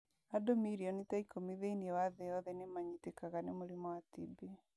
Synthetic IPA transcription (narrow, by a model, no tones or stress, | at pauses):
adomiɾiɔnitaikomiðeiniɛwaðɛjɔðɛnemaɲitekaɣanemoɾemɔwatibi